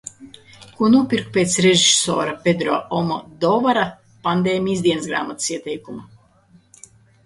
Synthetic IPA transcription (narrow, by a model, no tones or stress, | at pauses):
kunuɔpʲiɾkpʲeːt̪sɾeʒisoɔ̰ːɾapʲed̪ɾɔːʔɔmɔ̰d̪ɔvaɾa | pand̪eːmʲizd̪iɛnsɡɾa̰ːmat̪ɨ̥siɛt̪ɛjkuma